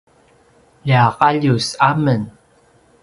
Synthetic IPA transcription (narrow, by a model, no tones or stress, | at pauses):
ʎiɑqɑʎusamən